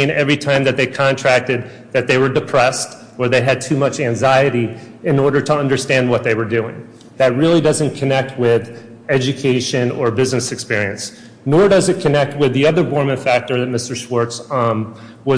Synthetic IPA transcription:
ɪ̃nɛvɹitʰãɪ̃mðɨt̪̚ðeɪkʰɑ̃ntʰɹ̥æk̚tɨd̪̚ | ðɨt̪̚ðeɪwə˞dɨpʰɹ̥ɛst | ə˞ðeɪɨd̚tʰʉmʌt͡ʃæ̃ŋzaɪɨɾi | ɨ̃nɔɹɾə˞ɾəʌ̃ndə˞stæ̃nd̚wʌt̪̚ðeɪwə˞dʉɪ̰̃ŋ | ðɨt̚ɹɪlˠidʌzɨ̃nkʰɨnɛk̚t̚wɪð | ɛd͡ʒɨkʰeɪʃɨ̃nə˞bɪznɨsɨkspɪɹiɨ̃ns | nɔɹdʌzɨt̚kʰɨnɛk̚t̚wɪðiʌðə˞bɔɹmɨ̃nfæk̚tə˞ðɨt̚mɪstə˞ʃwɔɹts | wʌ

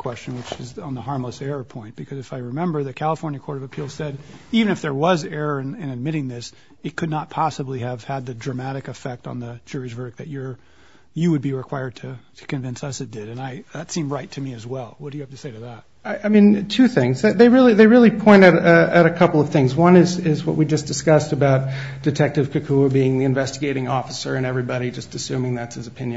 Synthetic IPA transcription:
kʰw̥ɛst͡ʃɨ̃nwɨt͡ʃɨzn̩ðəhɑɹmləsɛɹəpʰɔ̃ɪ̃nt̚b̥ɨkʰʌzɨfaɪɹɨmɛ̃mbə˞ðɨkʰælˠəfɔɹnjɨkʰɔɹɾʌvɨpʰilˠsɛɾivɨ̃nɨfðə˞wʌzɛɹəɨ̃nɨ̃nɨd̚mɪɾɪ̃ŋðɪs | ɨt̚kʰɨdⁿnət̚pʰɑsəbliɨv̥ɨd̪̚ðɨdɹɨmæɾɨkɨfɛk̚tn̩ðɨ̥d͡ʒʊɹɨʃvɜ˞ɾɨk̚ðɨt͡ʃə˞ | jɨwɨd̚biɹɨkʰw̥aɪə˞d̚tʰɨtʰɨ̥kɨ̃ɱvɪ̃nsʌsɨt̚d̥ɪɾɨ̃naɪðɨtsĩmɹaɪtʰɨmiɨzwɛlˠwʌt̚d̥ɨɨhæftɨ̥seɪɾɨðæt̚ | aʔaɪmĩntʰʉθɪ̃ŋzððeɪɹɪlˠiðeɪɹɪlˠipʰɔ̃ɪ̃ntɨɾɨɾɨkʰʌpl̩ˠʌv̥θɪ̃ŋzwʌ̃nɨzɪzwʌ̰ʔ̚wid͡ʒʌsd̥ɨskʌstɨbaʊt̚d̥ɨtʰɛk̚tɨv̥kʰɨkʰuəbiɪ̃ŋðiɨ̃ɱvɛstɨɡeɪɾɪ̃ŋɔfəsə˞ɨ̃nɛvɹibɑɾid͡ʒʌstɨsʉ̃mɪ̃ŋðætsɨzɨpʰɪ̃njɨ̃n

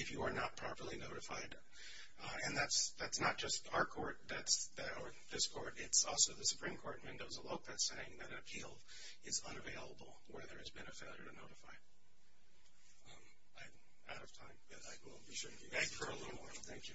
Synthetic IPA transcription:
ɨfjɨə˞nət̚pʰɹ̥ɑpə˞lˠinoʊɾɨfa̰ɪd | ɨ̃nðætsðætsnət̚d̥ʒ̥ʌstaʊə˞kʰɔɹt̪̚ðætsðɨɾə˞ðɪskʰɔɹɾɪtsɔlˠsoʊðɨsɨ̥pʰɹ̥ĩmkʰɔɹt̚wɪ̃ndoʊzəloʊk̚ðɨtseɪɪ̃ŋðɨɾɨ̃nɨpʰilˠ | ɨzʌ̃nɨveɪlˠəbl̩ˠwə˞ðə˞ɨzbɨ̃nɨfeɪlˠjə˞ɾɨnoʊɾɨfaɪ | aɪ | a̰ʊɾʌv̥tʰãɪ̃mʌɾaɪwɪ̰lˠʃʊd | æɡ̚fə˞əlɪɾl̩ˠmɔɹθæ̃ŋkjʉ

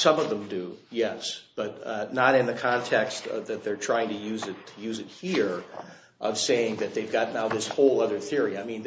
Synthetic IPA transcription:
sʌ̃mʌvðə̃mdɨjɛsb̥ʌtⁿnəɾɨ̃nðɨkʰɑ̃ntʰɛkstʌðɨt̪̚ðə˞tʰɹ̥aɪɪ̃ŋtʰɨjʉzɨtʰɨjʉzɨt̚hiɹ | ʔʌv̥seɪɪ̃ŋðɨt̪̚ðeɪvɡɑtⁿnaʊðɪshoʊlˠʌðə˞θɪɹiaɪmĩn

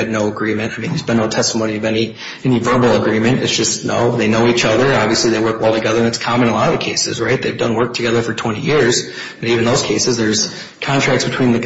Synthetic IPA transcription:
ɨdⁿnoʊəɡɹĩmɨ̃ntaɪmĩnjɨzbɨ̃nːoʊtʰɛstəmõʊ̃niʌvɛni | ɛnivɜ˞bl̩ˠəɡɹĩmɨ̃ntɨtsd̥ʒ̥ʌstno̰ʊðeɪnoʊit͡ʃʌðə˞ɑbviɨsliðeɪwɜ˞k̚ɔlˠtʰɨɡɛðə˞ɨ̃nðætskʰɑmɨ̃ñəlɑɾʌv̥kʰeɪsɨ̰zɹaɪt̪̚ðeɪvdʌ̃nwɜ˞k̚tʰɨɡɛðə˞fə˞tʰw̥ɛ̃ɾ̃ḭjɪɹz̥ | ɨ̃nivɨ̃n̩ðoʊz̥kʰeɪsɨzðə˞z̥ | kʰɑ̃ntʰɹ̥æk̚tsbɨtʰw̥ĩnðɨ

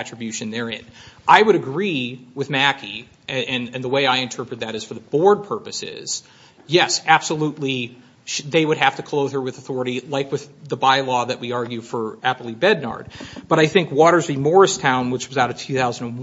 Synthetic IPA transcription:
æt͡ʃɹ̥ɨbjʉʃɨ̃nðə˞ɪ̰̃nʔaɪwəɾɨɡɹiwɨðmækʰi | ɨɨ̃nɨ̃nðəweɪaɪɨ̃ntʰɜ˞pɹɨt̪̚ðɨɾɨz̥fə˞ðəbɔɹd̚pʰɜ˞pɨsɪ̰z̥ | jɛsæb̥səluʔˡli | ʃðeɪwɨd̚ɦæftɨkʰl̥oʊð̥ə˞wɨðəθɔɹɨɾilaɪkwɨððəbaɪlɔðɨʔ̚wiɑɹɡjʉfə˞æpl̩ˠibɛdⁿnɑ̰ɹd̚b̥ʌɾaɪθɪ̃ŋkwɔɾə˞zbimɔɹɨstʰãʊ̃nwət͡ʃwʌzaʊɾɨv̥tʰʉθaʊzñ̩n

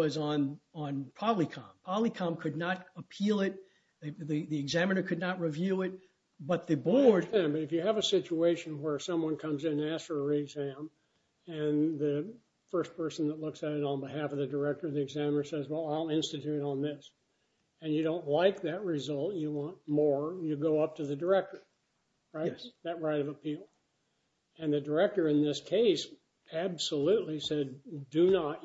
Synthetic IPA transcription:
ʌzn̩ə̃npʰɑbəblikʰɑ̃mpʰɑbəblˠikʰɑ̃mkʰɨdⁿnəɾəpʰilˠɪt̚ | ðiðiɨɡzæmɨnə˞kʰɨdⁿnət̚ɹivjʉɪt̚ | b̥ʌt̪̚ðɨbɔɹdæ̃nbʌɾɨfjɨːvɨsɪt͡ʃueɪʃɨ̃nwə˞sʌ̃mwʌ̃nkʰʌ̃mzɨ̃næstə˞ɹɪɡzæ̃m | ɨ̃nðɨ | fɜ˞stpʰɜ˞sn̩ðətˡlʊksɨɾɨɾn̩bɨhæfʌvðɨdə˞ɛk̚tə˞ðiɨɡzæ̃mə˞sɛzwɛlˠaɪlˠɪ̃nstɨtʰʉɾɨɾn̩ðɪs | ɨ̃njɨɾõʊ̃nʔlaɪk̚ðɨt̚ɹɪzʌlˠtɨwɑ̃nmɔɹjɨɡoʊʌp̚tʰɨðɨdə˞ɛk̚tə˞ | ɹaɪtðɨt̚ɹaɪɾʌvəpʰilˠ | ɨ̃nðɨdə˞ɛk̚tə˞ɨ̃nðɪskʰeɪs | æbsəlʉtˡlisɛddɨnət

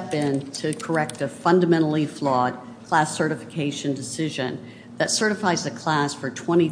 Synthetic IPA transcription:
bɪ̃ntʰɨkʰə˞ɛk̚tɨfʌ̃ndɨmɛ̃ɾ̃l̩ˠiflɔd̚ | kʰl̥æsɜ˞ɾɨfɨ̥kʰeɪʃɨ̃ndɨsɪʒɨ̰̃n | ðɨtsɜ˞ɾɨfaɪzɨkʰl̥æsfə˞tʰw̥ɛ̃ɾ̃i

